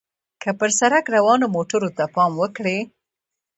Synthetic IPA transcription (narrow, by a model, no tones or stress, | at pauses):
kəpəɾsaɾakɾawɑnomoʈəɾot̪apɑmwəkɽe